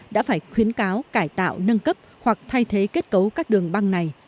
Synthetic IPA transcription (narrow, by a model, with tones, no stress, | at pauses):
ɗa̰ː˧˥faː˧˩jxwi˨˦ənkaː˨˦wkaː˧˩jt̪a̰ː˧˨wnə˧nkə˦˥p̚hwa˨˩k̚t̪ʰa˧jt̪ʰe˨˦ke˦˥t̚kə˨˦wkaː˦˥k̚ɗɨ˨˩əŋɓa˧ŋna˨˩j